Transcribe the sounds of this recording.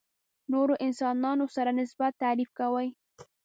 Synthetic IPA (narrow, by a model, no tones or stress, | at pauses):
noɾoʔɪnsɑnɑnosaɾanɪsbat̪ːaɾifkawəj